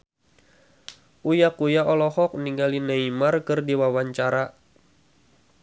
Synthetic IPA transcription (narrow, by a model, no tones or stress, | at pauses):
ʔujakujaɔlɔhɔk̚niŋɡalinaimarkɨrdiwawaɲt͡ʃaɾa